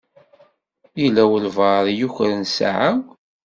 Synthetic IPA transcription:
jilæwəlvɑɾˤjuçɾənsa̰ʕaw

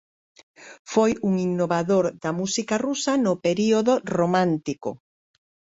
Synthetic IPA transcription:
fojuŋinːoβaðoɾðɐmusikɐrusɐnʊpeɾioðoromãnt̪iko̰

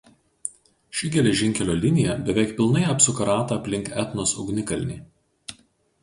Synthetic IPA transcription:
ʃʲɪɡʲɛlʲɛʒʲɪŋʲkʲɛlʲoːlʲɪnʲɪjɛbʲɛʋʲɛɪkpʲɪlˠnɐɪɐpsʊkɐɾɑːt̪ɐɐpʲlʲɪŋkɛt̪nosʊ̰ɡnʲɪkɐlʲnʲiː

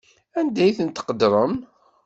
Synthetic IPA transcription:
ænd̪æjθənt̪ə̥qəd̪ɾˤəm

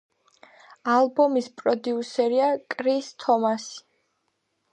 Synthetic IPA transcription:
alˠbɔmispʼɾɔd̪iusɛɾiakʼɾist̪ʰɔmasi̥

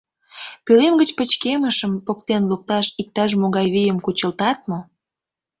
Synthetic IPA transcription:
pylemɡət͡ɕpət͡ɕkeməʃəmpokt̪enluk̚t̪ɑʃik̚t̪ɑʃ̬moɣɑjβejəmkut͡ɕəlt̪ɑt̪̚mo

